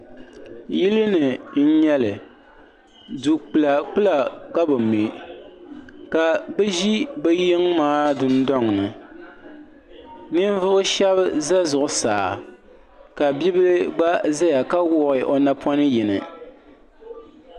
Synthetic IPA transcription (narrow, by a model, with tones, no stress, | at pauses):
ji˦lɨ˦nɨ˨n̩˦ɲɛ˦lɨ˨ | du˨k͡pɨ˨la˨k͡pɨ˦la˨ka˦bɨ˨mi˨ | ka˨bɛ˦ʒi˦bɛ˦jɪ˦ŋmaː˦dɨ˦n˦dɔ˦ŋnɨ˨ | nɨ˦ɱ˦vʊ˦ʔʊ˦ʃɛ˦bza˦zʊ˨ʔʊ˨sa̰ː˨ | ka˨bi˦bɨ˦lɨ˦ɡ͡ba˦za˦ja˨ka˦wʊ˦ʔɪ˨ʔo˨na˦pʰɔ˦nɨ˦ji˨nɨ̰˨